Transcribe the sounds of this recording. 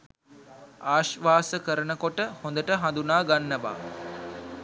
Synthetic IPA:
aːʃʋaːsəkəɾənəkoʈəhond̪əʈəɦãnd̪unaːɡanːəʋa̰ː

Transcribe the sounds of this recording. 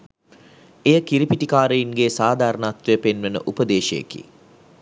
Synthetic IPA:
ejəkiɾipiʈikaːɾəjinɡesaːd̪ʱaːɾənaːt̪ʋejəpenʋenə̰ʔupəd̪eːʃejḛkḭ

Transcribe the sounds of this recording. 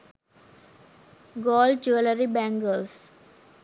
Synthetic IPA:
ɡɔːld͡ʒuʋələɾibæ̃ŋɡəls

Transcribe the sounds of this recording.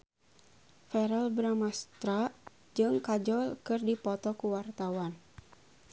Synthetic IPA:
fɛɾəlbɾamast̪ɾa | d͡ʒɨŋkad͡ʒɔlkɨrdipɔt̪ɔkuwart̪awan

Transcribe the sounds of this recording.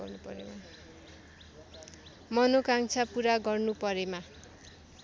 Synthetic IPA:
ʌ̰rnupʌ̰ɾḛma | mʌnokaŋt͡sʰapuɾaɡʌrnupʌɾema

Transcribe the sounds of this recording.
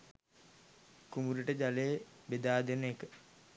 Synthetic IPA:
kumuɾuʈəd͡ʒaleːbed̪aːd̪enəekə

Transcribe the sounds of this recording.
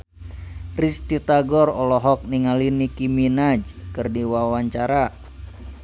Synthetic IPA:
rist̪it̪aɡɔrɔlɔɦɔk̚niŋalinikiminad͡ʒkɨrdiwawaɲt͡ʃaɾa

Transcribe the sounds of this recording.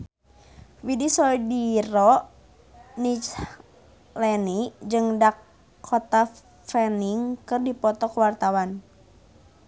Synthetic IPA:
widisɔdirɔ | nit͡ʃ | lɛnid͡ʒɨŋdakʰː | ɔt̪a | fɛniŋkɨrdipɔt̪ɔkəwart̪awan

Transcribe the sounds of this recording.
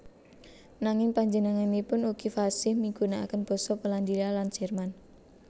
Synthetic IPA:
naŋɪŋpaɲd͡ʒənaŋanipʊnuɡ̥ifasɪhmiɡ̥unaakənb̥ɔ̤sɔpəland̪ilaland͡ʒ̥ɛrman

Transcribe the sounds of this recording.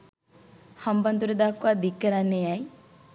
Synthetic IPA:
hɐmbɐnd̪uɾed̪akuad̪ikːɐɾanejaj

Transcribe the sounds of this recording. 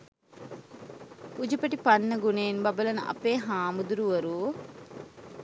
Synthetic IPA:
ud͡ʒupəʈipanːəɡuneːnbɐbəlɐnə̰ʔɐ̰peːɦaːmud̪uɾuʋɐɾuː

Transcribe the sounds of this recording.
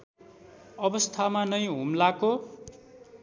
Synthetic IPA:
ʌbʌst̪ʰamanʌjɦumlako

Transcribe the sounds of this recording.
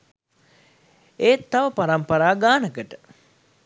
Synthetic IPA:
eːt̪ːaʋəpaɾampəɾaːɡaːnəkəʈə

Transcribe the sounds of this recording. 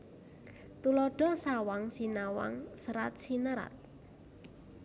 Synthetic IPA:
t̪ulɔɖ̥ɔ̤sawaŋsinawa̰ŋsəɾat̪̚sinəɾa̰t̪̚

